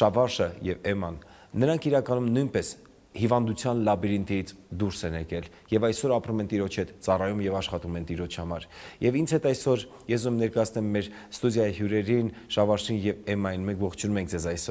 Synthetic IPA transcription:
ʃɑvɑʃəjɛvɛmɑnː | əɾɑŋkʰiɾɑkɑnumnujnpɛs | hivɑnd̪ut͡sʰjɑnlɑbiɾint̪ijit͡sʰd̪uɾsɛnɛkɛl | jɛvɑjsɔɾɑpɾumɛnt̪iɾɔt͡ʃʰhɛt̪t͡sɑrɑjumjɛvɑʃχɑt̪umɛnt̪iɾɔt͡ʃʰhɑmɑɾjɛvint͡sʰhɛt̪ɑjsɔɾ | jɛsuɛmnɛɾkɑjɑt͡sʰnɛmːɛɾ | st̪ud̪jɑjihjuɾɛɾinʃɑvɑɾʃinjɛvɛmɑjinmɛŋkʰvɔχt͡ʃʰunumɛŋkʰd͡zɛzɑjsɔɾ

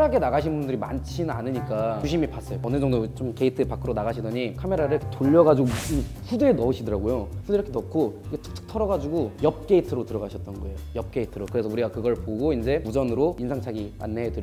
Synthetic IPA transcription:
ɾaɡe̞naɣaɕʰinnbundɯɾima̰nt͡ɕʰinɯnanɯɲik͈at͡ɕuɕʰimipas͈ʌjoʌned͡ʑʌŋdot͡ɕomkeitʰɯpak͈ʰɯɾonaɣaɕʰidʌɲikʰame̞ɾaɾɯɭkʰetoʎːʌɣad͡ʑiɡoi | ɸudeːnʌuɕʰidʌɾaɡojoɸudeɾʌkʰenʌkʰoikʰetʰɯ̥k̚tʰɯ̥k̚tʰʌɾʌɡad͡ʑuɡojʌp̚k͈e̞itʰɯɾotɯɾʌɡaɕʰʌt̚t͈ʌnɡʌe̞jojʌp̚k͈e̞itʰɯɾokɯɾe̞sʰʌuɾiɡakɯɡʌɭpoɡoind͡ʑe̞ud͡ʑʌnɯɾoinsʰaŋt͡ɕʰaɡia̰nːeɦedɯɾ

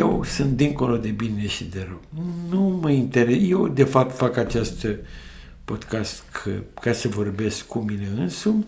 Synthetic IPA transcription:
jewsunt̪̚d̪iŋko̞lo̞d̪e̞bine̞ʃid̪e̞ɾoɡnuməint̪e̞ɾeje̞wd̪e̞fap̚t̪fakat͡ʃest̪ | po̞d̪kast̪kʰə̰kasəvo̞rbe̞skːumine̞ɨnsum

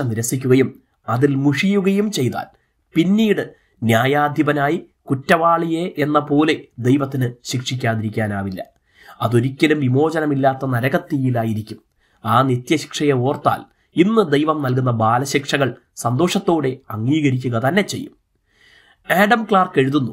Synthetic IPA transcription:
ɐniɾɐsikʲːuɣɐjum | ɐðilmuʂijuɣɐjumt͡ɕe̞jt̪a̰ːl | pinːiːɽɨ | njaːjaːd̪ʱjɐbɐnaːji | kutːɐʋaːɭijeʔenːɐpo̞ːle̞d̪e̞jʋɐt̪ːinɨɕikʂik̬ʲːaːðiɾikʲːaːnaːʋilːɐ̰ | ɐðo̞ɾikʲːɐlumʋimo̞ːd͡ʑɐnɐmilːaːt̪ːɐnɐɾɐɣɐt̪ːijilaːjiɾikʲːum | aːnit̪jɐɕi̥kʂɐjɐo̞ːrt̪ːa̰ːl | inːɨd̪ejʋɐmnɐlk̬unːɐbaːlɐɕikʂɐɣɐɭ | sɐnd̪o̞ːʂɐt̪ːo̞ːɽe̞ɐŋːiːɣɐɾik̬ʲːuɣɐt̪ɐnːe̞t͡ɕːe̞̰jːum | eːɖɐmkɭaːrke̞ɻuðunːu

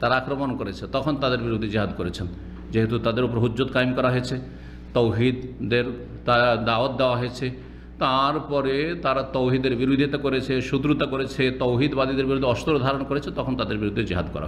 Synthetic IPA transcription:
t̪aɾaakɾomonkoɾet͡ʃʰet̪ɔkʰont̪ad̪eɾbiɾud̪ʱed͡ʒiɦad̪koɾet͡ʃʰen | d͡ʒeɦet̪ut̪ad̪eɾupɔɾɦud͡ʒod̪kajmkɔɾaɦɔet͡ʃʰe | t̪owɦid̪d̪eɾ | t̪ad̪aot̪̚d̪eoaɦɔet͡ʃʰe | t̪aɾpɔɾet̪aɾat̪owɦid̪eɾbiɾud̪ʱit̪akoɾet͡ʃʰeʃut̪ɾut̪akoɾet͡ʃʰet̪owɦid̪bad̪id̪eɾbiɾud̪ʱːeɔst̪oɾod̪ʱaɾɔnɔkoɾet͡ʃʰet̪ɔkʰont̪ad̪eɾbiɾud̪ʱːed͡ʒiɦad̪kɔ̰ɾa̰ɦ

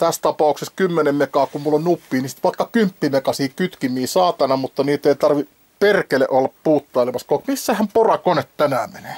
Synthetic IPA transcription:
t̪æst̪ɑpɑˑukseskymːenemmekɑːkummulːonnupːiːnisi̥t̪ʋɑˑikːɑkympːimekɑsiːkyt̪kimiːsɑːt̪ɑnɑmut̪ːɑniːt̪eit̪ɑrʋi | perkelḛʔolːɑppuːt̪ːɑilemɑskɑˑikmisːæhæmporɑkonet̪t̪ænæːmene̥

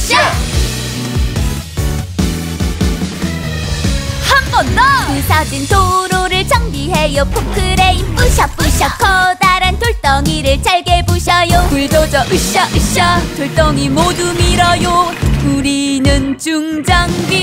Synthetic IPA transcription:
hambʌnkɯsʰadinsʰoɾoɾɯɭt͡ɕʰʌŋbiɦe̞jopʰokʰɯɾe̞ip͈ɯɕʰʌp͈ɯɕʰʌkʰʌdaɾɯntoɭt͈ʌŋiɾɯɭt͡ɕaɭɡebuɕʰʌjokuɭdod͡ʑʌʔɯɕʌɕʌtoɭt͈ʌŋimodumiɾʌjokuɾinɯnt͡ɕuŋd͡ʑʌŋbi

